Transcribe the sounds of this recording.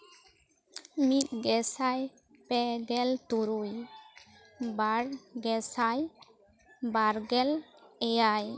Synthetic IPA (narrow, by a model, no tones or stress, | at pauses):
mit̪̚ɡɛsaj | pɛɡɛlt̪uɾuj | baɽɡɛsaj | baɾɡɛlɛjaj